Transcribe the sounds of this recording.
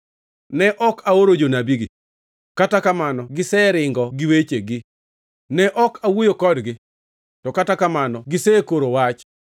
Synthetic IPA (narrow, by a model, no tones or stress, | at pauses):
nɛʔɔkaoɾod͡ʒonabiɡɪ | katakamanɔɡɪsɛɾɪŋɡɔɡɪwet͡ʃeɡɪ | nɛʔɔkʰawojokɔdɡɪ | tɔkatakamanɔɡɪsɛkoɾowat͡ʃ